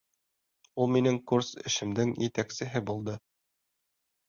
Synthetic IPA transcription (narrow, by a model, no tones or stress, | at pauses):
ulˠminɘŋkursɘ̆ʃɘ̆md̪ɘŋjɘt̪æksɘ̆ɦɘbulˠd̪ɤ